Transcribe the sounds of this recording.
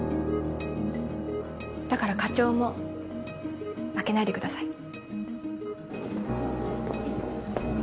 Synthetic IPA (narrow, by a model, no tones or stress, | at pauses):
d̪̥akaɾakat͡ɕo̞ːmo̞ | ake̞naid̪e̞kɯ̟d̪asai